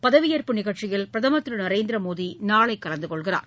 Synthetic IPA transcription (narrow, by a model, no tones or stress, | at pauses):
pɐðɐʋɪjɐɾpɯnɪɣɐɭt͡ʃɪjɐɭpɪɾɐðɐmɐt̪ːɾɯnɐɾeːnd̪ɪɾɐmoːðinaːɭɐɪkːɐlɐnd̪ɯkɔɭɣɪra̰ːɾ